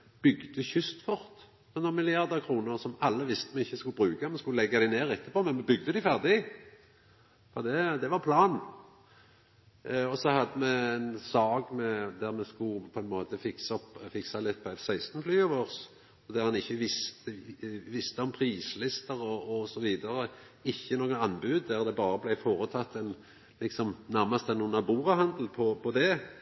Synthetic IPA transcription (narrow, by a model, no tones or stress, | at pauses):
b̥ʏɡd̪əçʏst̪fɔʁt̪ | ɔnɔnmɪlɪɑʁd̪əʁkʰʁuːnəʁsɔmɑlːəʋɪst̪əmɛɪçːəskʉlbʁʉːkamɛskʉləlɛɡːɑd̪æɪneːʁɛt̪ːəpɔmɛnmɛbʏɡ̚d̪əd̪æɪfæʁd̪ɪ | fɔd̪ɛd̪ɛʋɑʁpʰlɑːn | ɔsɔhɑd̪ːəmɛɛnsɑːɡmɛd̪æʁmɛskʊpʰɔɛnmoːt̪əfɪksɔpːfɪksɑlɪt̪̚ːpʰɔsæɪst̪nflyːɑʋoːʁs | ɔd̪æʁhɑnɪçːəʋɪst̪əʋɪst̪əɔmpʰʁiːslɪst̪əʁɔɔsɔʋiːd̪ɑʁə | ɪçːənoːɡənɑnːbʉːd̪d̪æʁd̪ɛbɑːɾəblæɪfoːɾət̪ʰɑt̪ːɛn | lɪksɔmnæʁmɑst̪ɛnuːnɑbuːʁɑɦɑnd̪l̩pʰɔpʰɔd̪ɛ